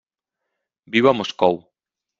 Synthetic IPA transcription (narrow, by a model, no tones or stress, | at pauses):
biβamoskow